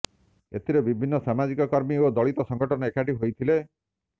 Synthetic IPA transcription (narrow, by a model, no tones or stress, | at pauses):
ḛt̪ʰiɾebibʱinːɔsamad͡ʒikɔkɔɾmiod̪ɔɭit̪ɔsɔŋɡɔʈʰɔnɔekaʈiɦojt̪ʰile